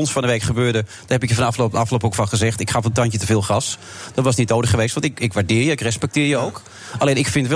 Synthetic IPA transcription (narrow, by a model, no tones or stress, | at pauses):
ɔnsfɔndəʋejkχəbøːdəd̥ɔhɛpɪkjəfɑndɑflopɑfloːpokfɑnχəzɛxtɪkχafəntɑntjətəvɪːlˠχrɑs | d̥ɔtʋɑsnit̚nowdəχχəʋeːstʋɑntɪkɪkʋaɹdɪːɹjəɪkrɛspɛk̚tɪːjəowk | aleːnɪkfɪntʋɛ